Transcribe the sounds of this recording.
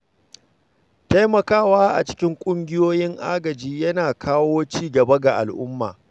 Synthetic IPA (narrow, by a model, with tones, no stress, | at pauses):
ta˦jmɐ˨kaː˦waː˦ʔa̰˨t͡ʃɪ̥˦kʲɪ˦ŋkʷʼʊ˦ŋɡʲɪ˦joː˦jɪ˦ŋʔa̰ː˦ɡɐ˨d͡ʒiː˦jɐ˦naː˨kʰaː˦woː˦t͡ʃiː˦ɡɐ˨bɐ˦ɡa˨ʔa̰˨lʔʊ˦mːa̰ː˨